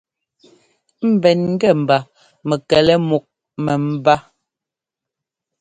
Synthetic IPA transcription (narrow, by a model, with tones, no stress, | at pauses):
m̩˨bɛ˨nŋ̩˦ɡɛ˦˨m̩˨ba˨ | mɛ˨kɛ˨lɛ˦mu˨k̚ | mɛ˨m̩˦ba˦